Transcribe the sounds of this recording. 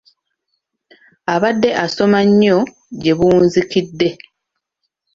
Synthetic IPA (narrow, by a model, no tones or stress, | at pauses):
aβadːe̞ʔaso̞maɲːo̞ | ɟe̞βuːnzikidːe̞